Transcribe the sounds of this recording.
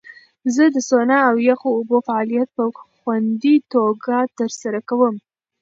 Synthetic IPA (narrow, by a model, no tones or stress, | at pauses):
zəd̪əsonɑawjaxoːbofaɑlijat̪̚pəxwand̪it̪oɡat̪əɾsaɾakawəm